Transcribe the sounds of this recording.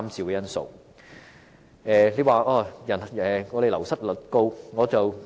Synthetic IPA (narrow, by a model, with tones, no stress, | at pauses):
mt͡siː˨˩wkɛ˧jɐ˥nso̰˨˩w | ʔɛː˨˧le˨˧waː˨˧ʔɔː˧˩jɐ˨˩n˨ɛː˨˩ŋɔː˨˧ɾe˨lɐ˨˩wsɐ˥t̚lɵ˨t̚ko˧wŋɔː˨˧t͡sɐ˨w